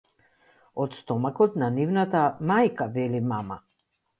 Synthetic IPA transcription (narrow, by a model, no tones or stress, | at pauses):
ɔt̪st̪ɔmakɔt̪nanivnat̪amajkavɛlimama